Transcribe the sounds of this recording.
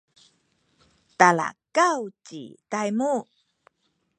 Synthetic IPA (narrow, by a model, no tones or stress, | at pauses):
tala̰kawt͡ɕḭtajmu